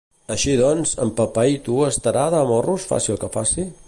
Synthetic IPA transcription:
əʃiðɔnzə̰mpəpait̪uəst̪əɾaðəːmɔrusfa̰silˠkəfasi

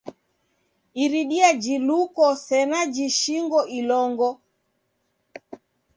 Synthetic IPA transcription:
iɾiɗiad͡ʒilukɔsɛnad͡ʒiʃiŋɡɔʔilɔŋɡɔ

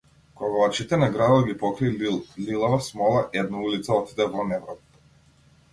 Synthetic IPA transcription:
kɔɡavat͡ʃit̪ɛnaɡɾad̪ɔɡʲipɔkɾiililˠavasmɔlˠaʔɛd̪naulit̪saɔt̪id̪ɛvɔnɛvɾɔp

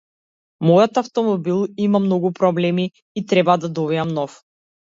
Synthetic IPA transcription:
mɔjɔt̪aft̪ɔmɔbilˠimamnɔɡupɾɔblɛmi | it̪ɾɛbad̪ad̪ɔbijamnɔf

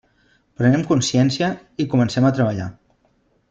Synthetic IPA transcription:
pɾənɛmkunsjɛnsiə | ikumənsɛmət̪ɾəβəʎa̰

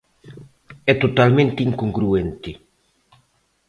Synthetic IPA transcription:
ɛt̪ot̪almẽnt̪iŋkuŋɡɾuɛnt̪i

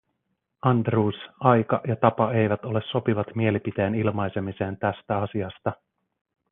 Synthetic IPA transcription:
ɑnd̪ruːsɑjkɑjɑt̪ɑpɑe̞jʋæt̪o̞le̞sːo̞piʋɑt̪mie̞lipit̪e̞jːnilmɑjse̞mise̞ːnt̪æst̪æɑsiɑst̪ɑ

